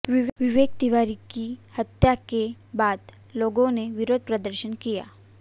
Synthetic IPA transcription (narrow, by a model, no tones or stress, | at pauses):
ʋɪʋɪʋeːk̚d̪ɪʋaːɾikihɐt̪jakebaːd̪ | loːɡõneʋɪɾoːd̪̚pɾəd̪əɾʃənkija̰ː